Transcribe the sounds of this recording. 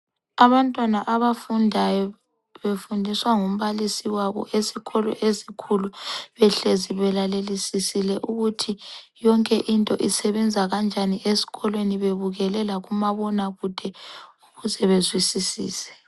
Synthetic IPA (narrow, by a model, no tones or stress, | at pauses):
aβantʼwanaʔaβafundʱajɔ | βefundʱiswaŋum̩βalisiwaβɔ̰ʔesiɣʰɔlɔ̰ʔesikʰuluβɛɬeziβɛlalelisisilɛʔuɣutʰijɔŋkʼɛʔintʼɔ̰ʔisɛβɛnd͡zʱaɣand͡ʒʱaniʔesi̥ɣɔlweniβeβuɣɛlɛlaɣumaβɔnaɣud̥ʱɛuɣuzɛβezwisisḭːsɛ̥